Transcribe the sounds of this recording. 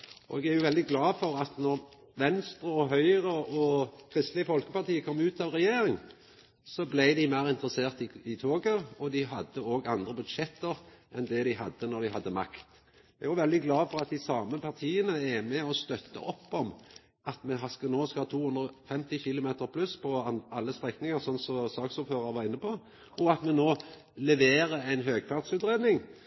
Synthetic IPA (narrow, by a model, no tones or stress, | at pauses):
ʔʔɔ̰ɛɡæɾjʊʋɛld̪ɪɡlɑːfɔɾɑt̪nɔɾ | ʋɛnst̪ɾəɔɦœʏʁəɔkʰʁɪst̪lɪəfɔlkəpɑʁt̪iːəkʰɔmːʉːt̪ɑʋʁɛjeːɾɪŋ | sɔblæɪd̪ɪmæɪɾɪnt̪ɾəseːʁt̪ɪɪt̪ʰoːɡəɔd̪ɪɦɑd̪ːəoːɡɑnd̪ɾəbʉd̪ʃɛt̪ːəɾʔɛnd̪ɛd̪ɪɦɑd̪ːənɔɾd̪ɪɦɑd̪ːəmɑ̰kt̪ | ææʁjʊʋɛld̪ɪɡlɑːfɔɾɑt̪̚d̪ɪsɑːməpʰɑʁt̪ʰiːənəæmɛɔst̪œt̪ːə̰ʔɔpːɔm | ʔɑt̪mɛɦɑskənoːskɑhɑːt̪ʰuːhʉnd̪ɾɔfɛmt̪ɪçɪlʊmeːt̪əɾpʰlʉspʰɔɑlːəst̪ʁɛknɪŋəsɔnsɔsɑːksʊɾføːɾɑɾʋɑʁɪnːəpɔ | ʔɔɑt̪mɛnoː | lɛʋeːɾəæɪnɦøːɡfɑʁt̪sʉːt̪ɾeːd̪nɪŋ